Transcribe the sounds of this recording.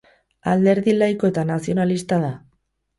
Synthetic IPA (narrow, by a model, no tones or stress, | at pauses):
ald̪e̞ɾðilajko̞e̞t̪anasio̞nalist̪aða